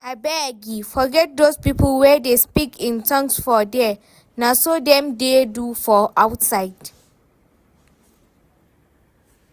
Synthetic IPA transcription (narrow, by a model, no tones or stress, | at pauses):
abɛɛɡifɔɡɛt̚dospipəlwɛdespikʰĩntʰãŋsfɔdɛ | nasodɛ̃mdedufɔʔawtsajd